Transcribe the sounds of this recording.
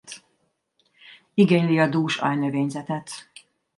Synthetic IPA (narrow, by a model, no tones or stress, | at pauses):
t̪ | iɡeɲliɒd̪uːʃɒ̰jnøveːɲzɛt̪ɛt̪